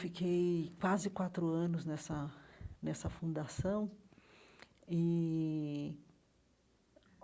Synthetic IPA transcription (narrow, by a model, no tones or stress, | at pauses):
fikejkwazɪkwat̪ɾʊɐ̃nʊznɛsɐnɛsɐfũd̪asɐ̃w̃ | ɪ